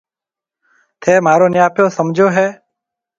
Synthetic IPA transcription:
t̪ʰeːmaːɾoːnɪjaːpjoːsəmd͡ʒʱoːɦɛː

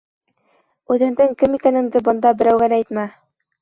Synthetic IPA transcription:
ʉðɘ̆nd̪ɘŋkɘmikænɘ̆ŋd̪ɘbɤ̆nd̪ɑbɘ̆ɾæwɡælæjt̪mæ

